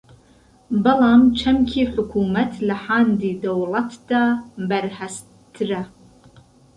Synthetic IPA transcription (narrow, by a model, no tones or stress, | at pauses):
bɐlaːmt͡ʃʰɐmkʲʰiːħʊkʷʰuːmɐtʰlaħaːndiːdɐwlɐtʰd̥ɐbɐrħas | dʰɨrɐ